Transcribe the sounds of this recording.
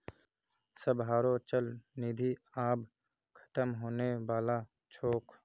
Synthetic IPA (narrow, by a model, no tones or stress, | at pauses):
səbɦaːɾoːt͡ʃəlniːd̪ʱiaːb | kʰə̥t̪əmɦoːnewaːlaː | t͡ʃʰoːk